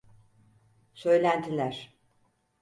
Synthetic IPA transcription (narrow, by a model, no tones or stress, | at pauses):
sø̞jlʲænd̪ilʲæɾ̥